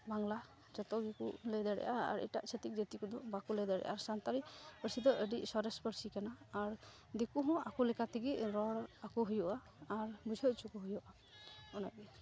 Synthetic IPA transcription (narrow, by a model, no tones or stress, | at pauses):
baŋla | d͡ʒɔt̪ɔɡikuʔlɛd̪aɽɛ̰ʔaa̰ɾḭʈa̰ʔt͡ʃʰət̪ik̚d͡ʒət̪ikud̪ɔbakulɛd̪aɽɛ̰ʔaɾsant̪aɾipəɾsid̪ɔʔəɖiʔsɔɾɛspəɾsikanaːɾ | d̪ikuɦɔ̃akulɛkat̪iɡiʔɾɔɽakuɦujɔʔaː | ɾbud͡ʒʱɔʔ̚t͡ʃukɔɦujɔʔa | ɔna̰bi